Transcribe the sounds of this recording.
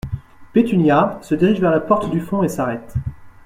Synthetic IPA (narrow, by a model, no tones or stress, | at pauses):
pet̪ynjasəd̪iʁiʒvɛʁlapɔʁt̪d̪yfɔ̃esaʁɛt̪